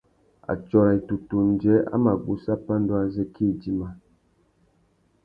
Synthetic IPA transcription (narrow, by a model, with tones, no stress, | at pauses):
a̰˨t͡ʃɔ˨ɾa˨i˨tu˨tu˨n̩˨d͡ʒɛ˨˦a̰˦ma˨bu˨sa˦pa˦n˦dwa˦zɛ˦kʰi˦˨d͡ʒi˦ma˦